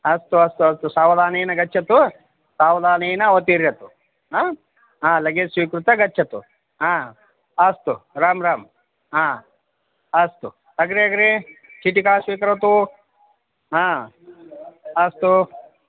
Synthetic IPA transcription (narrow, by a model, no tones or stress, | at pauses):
ɐst̪uɐst̪uɐst̪usaːʋɐd̪ʱaːnejnɐɡɐt͡ʃːt͡ʃʰɐt̪u | saːʋɐd̪aːnejnɐʋɐt̪iːɾjɐt̪u | ɦaː | ɦãːlɐɡesʋiːkɾut̪ɐɡɐt͡ʃːt͡ʃʰɐt̪ṵ | ɦãː | ɐst̪uɾaːmɾaːm | ɦaː | ɐst̪ṵ | ɐɡɾeɐɡɾet͡ʃiʈikaːsʋiːkɐɾɐt̪u | ɦãː | ɐst̪u